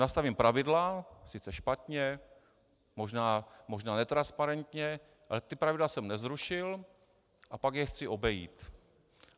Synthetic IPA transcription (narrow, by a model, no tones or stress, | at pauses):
nast̪avimpɾavɪdlasɪt͡sɛʃpat̪ɲɛ | mo̞ʒnaːmo̞ʒnaːnɛt̪ɾanspaɾɛnt̪ɲɛ | ʔalɛt̪ɪpɾavɪdlasɛmnɛzɾuʃɪl | ʔapaɡjɛxt͡sɪʔo̞bɛjḭːt̪